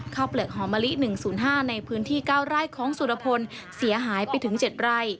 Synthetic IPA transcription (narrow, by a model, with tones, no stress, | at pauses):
kʰaː˥˩wplɯ˨˩ək̚ɦɔː˩˦maː˧li˦˥ʔnɯ˨˩ŋsuː˨˩˦nɦaː˥˩na˧jpʰɯː˦˥nt̪ʰiː˥˩kaː˥˩wɾaː˥˩jkʰɔː˩˦ŋsu˨˩a˧pʰo˧n | si˩˦ɐɦaː˩˦jpa˧jt̪ʰɯ˩˦ŋt͡ɕe˨˩t̪̚ɾa˥˩j